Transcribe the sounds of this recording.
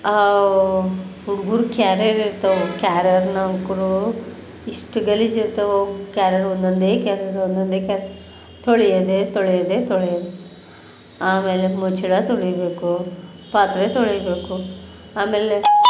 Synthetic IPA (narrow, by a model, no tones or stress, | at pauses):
a | uɽɡuːɾukaːɾɐɾiɾt̪ɐʋokaːɾjɐɾnɐkuɽu | iʂʈuɡɐlid͡ʒiɾt̪ɐʋokaːɾjɐɾond̪ond̪eːkaːɾɐd̪eond̪ond̪eːkaɾ | t̪oɭɛjɐd̪eːt̪oɭɛjɐd̪et̪oɭɛjɐd̪e | aːmeːlemut͡ʃiɭat̪oɭɛjɐbe̞ːku | paːt̪ɾet̪oɭɛjɐbe̞ːku | aːmeːle